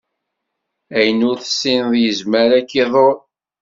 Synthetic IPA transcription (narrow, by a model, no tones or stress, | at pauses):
æjnʊɾθə̥sːinðˤjəzməɾækːiðˤoɾ